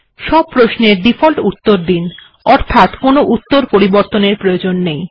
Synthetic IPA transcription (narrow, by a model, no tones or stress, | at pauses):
ʃɔb̚pɾosneɾɖifʰolʈut̪ːoɾd̪in | ɔɾt̪ʰat̪konoʔut̪ːoɾpoɾiboɾt̪oneɾpɾojod͡ʑonːej